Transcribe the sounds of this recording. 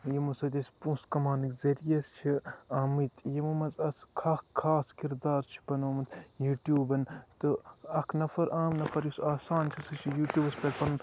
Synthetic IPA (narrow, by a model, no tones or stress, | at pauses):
jɐmusɐd̪ʲɐsʲpũskɐmaːnɨkzɐɾijɐst͡ʃʰiaːmɨt̪ʲjɐmumɐzɐskʰaːkʰːaːskiɾd̪aːɾt͡ʃʰi̥pɐnoːmɐt̪juːʈjuːbɐnt̪ɨɐkʰnɐfʰɐɾʔaːmnɐfʰɐɾjusaːsaːnt͡ʃʰiɐsɐt͡ʃʰijuːʈʲjuːbɐspʲɐlʲpɐn